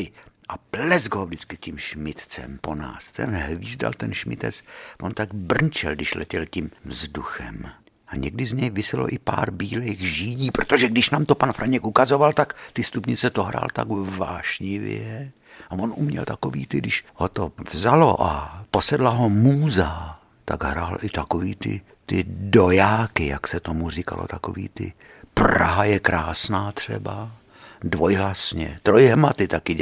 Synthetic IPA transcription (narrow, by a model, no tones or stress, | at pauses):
ɪʔaplɛzɡɦovdɪt͡skɪscimʃmɪt̪t͡sɛ̰mpo̞na̰ːst̪ɛ̰nɦviːzda̰lt̪ɛnʃmɪ̰t̪ɛ̰t͡svont̪aɡ̚br̩nt͡ʃɛ̰ldɪʃlɛcɛlcimvzduxɛ̰m | ʔaɲɛɡdɪzɲɛjvɪsɪlo̞̰ʔɪpa̰ːɾbiːlejɣʒiːɲiːpɾot̪oʒɛɡdɪʃnaːmt̪o̞panfɾʔaɲɛkʔukazo̞valt̪akt̪ɪst̪upɲɪt͡sɛt̪oɦɾa̰ːlt̪a̰ɡvaːʃɲɪvɛ | avo̞nʔumɲɛ̰lt̪akovḭːt̪ɪdɪʃhot̪ovzalo̞̰ʔapo̞sɛdlaɦo̞muːza | t̪a̰ɡɦɾaːlʔɪt̪akoviːt̪ɪ̰ | t̪ɪdo̞jaːkɪjaksɛt̪omur̝ika̰lo̰t̪ako̰vḭːt̪ɪ̰ | pra̰ɦajɛkɾaːsnaːt̪r̝̥ɛ̰ba | dvo̞jɦlasɲɛ̰t̪ɾojɦmat̪ɪt̪akɪ